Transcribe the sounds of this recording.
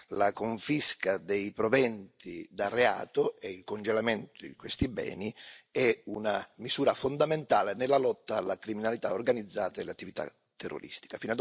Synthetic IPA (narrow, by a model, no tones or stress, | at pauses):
lakoɱfiskad̪ejpɾovɛnt̪id̪arːea̰ːt̪ʊɛilkond͡ʒelament̪ʊd̪ikwest̪ibɛ̰ːniɛunamisuːɾafond̪ament̪aːlenelːalɔt̪ːaːlːakɾiminalit̪aorɡanid̪zːaːt̪aeleat̪ːivit̪a̰ | t̪ʰːerːo̰ɾḭst̪i̥kafinad̪